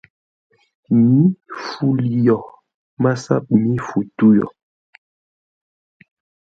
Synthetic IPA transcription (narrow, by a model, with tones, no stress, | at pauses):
mi˦fu˦li˨jɔ˨ | ma˦sa̰˦ɓi˨mi˦fu˨tu˦jɔ̰˨